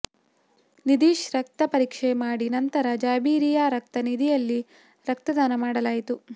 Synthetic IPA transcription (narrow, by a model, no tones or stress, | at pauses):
nid̪iːʃɾɐk̚t̪ɐpɐɾiːkʂemaːɽinɐnt̪ɐɾɐd͡ʒaːbiːɾijaːɾɐk̚t̪ɐnid̪ʱijɐlːi | ɾɐk̚t̪ɐd̪aːnɐmaːɽɐlaːjit̪u